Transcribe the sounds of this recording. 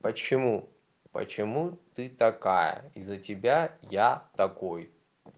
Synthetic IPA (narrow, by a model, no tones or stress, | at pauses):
pət͡ɕɪmu | pə̰t͡ɕɪmut̪ɨt̪ɐkajə̰izətʲɪbʲajat̪ɐkoj